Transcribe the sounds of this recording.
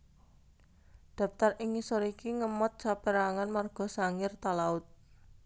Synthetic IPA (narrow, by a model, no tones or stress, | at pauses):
d̪̥a̤p̚t̪arʔiŋisɔɾikiŋəmɔt̪̚t͡ʃapeɾaŋanmarɡ̥ɔ̤saŋɪrt̪alaʊt̪̚